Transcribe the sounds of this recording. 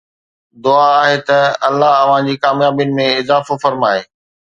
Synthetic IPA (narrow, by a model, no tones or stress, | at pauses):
d̪ʊaːɦet̪ɐɐlːaɦɐʋ̤ãd͡ʑiːkaːmjaːbijʊnɪ̆mẽɪzaːfofɐɾmaːeː